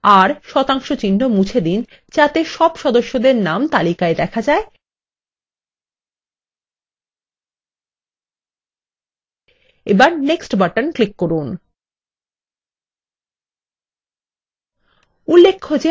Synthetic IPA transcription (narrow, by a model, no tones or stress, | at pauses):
aɾʃɔt̪aŋʃot͡ɕinɖomut͡ɕʰed̪in | t͡ɕat̪eʃɔbʃɔd̪oʃːod̪eɾnamt̪alikaed̪ɛkʰad͡ʑae | ebaɾneksʈbaʈanklikːoɾun | ulːekʰːod͡ʑe